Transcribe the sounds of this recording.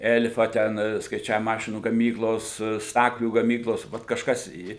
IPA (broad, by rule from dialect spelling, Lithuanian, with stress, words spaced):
ˈɛlʲfɐ ˈtʲɛn skɐɪˈt͡ʃʲæːʋʲɪmoː ˈmɑːʃʲɪnuː ɡɐˈmʲiːklˠoːs ˈstɑːklʲuː ɡɐˈmʲiːklˠoːs ˈʋɐt kɐʃˈkɐs iː